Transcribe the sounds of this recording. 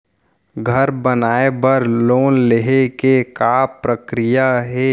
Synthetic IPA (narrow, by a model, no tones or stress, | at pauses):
ɡʱəɾbənaːebəɾloːnleɦekekaːpɾəkɾɪjaɦɛː